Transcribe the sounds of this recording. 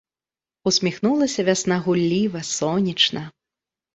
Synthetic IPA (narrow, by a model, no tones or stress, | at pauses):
usʲmʲixnulˠɐsʲɐvʲasnaɣulʲːivɐsɔnʲit͡ʂnɐ